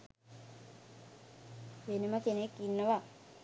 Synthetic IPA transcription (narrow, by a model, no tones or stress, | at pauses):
ʋeneməkenekːinːəʋa